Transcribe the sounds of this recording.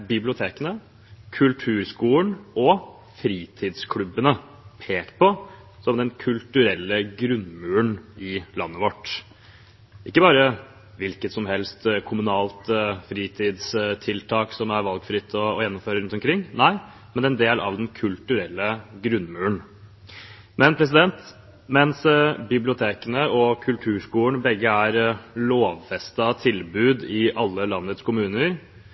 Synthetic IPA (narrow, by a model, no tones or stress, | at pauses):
bɪblɪʊt̪ʰeːkənə | kʰʉlt̪ʰʉːɾskuːəɳɔ | fɾiːt̪ʰɪːd̪skʰlʉbːənə | pʰeːkt̪pʰɔ | sɔmd̪ɛnkʰʉlt̪ʉɾɛlːəɡɾʉnmʉːəɳɪlɑnːəʋɔʈː | ʔɪkːəbɑːɾə | ʋɪlkət̪sɔmhɛlst̪kʰʊmʉnɑːlt̪fɾiːt̪ʰɪːd̪st̪ʰɪlt̪ʰɑːksɔmæɾʋɑlɡfɾɪt̪ʰːɔːjɛnːɔmføːɾəɾʉnt̪ɔmkʰɾɪŋːnæɪ | mɛnɛnd̪eːlʔɑ̰ʋd̪ɛnkʰʉlt̪ʉɾɛlːəɡɾʉnːmʉːəɳ | mɛnpʰɾɛs̬ɪd̪ɛnt̪ | mɛnsbɪblɪʊt̪ʰeːkənəɔkʰʉlt̪ʰʉːʂkuːəɳbɛɡːəæɾloːʋfɛst̪ɑt̪ʰɪlbʉːd̪ɪʔɑlːəlɑnːət̪skʊmʉːnəɾ